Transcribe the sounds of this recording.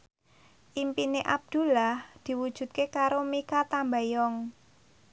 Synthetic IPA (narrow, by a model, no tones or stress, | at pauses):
ʔimpineʔab̚d̪̥ṳlahd̪̥i̤wud̥ʒ̥ṳt̪̚kekaɾomekat̪ambajɔŋ